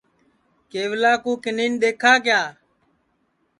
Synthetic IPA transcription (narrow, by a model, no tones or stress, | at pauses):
keːʋlaːkũːkɪniːnɗ̪eːkʰaːkjaː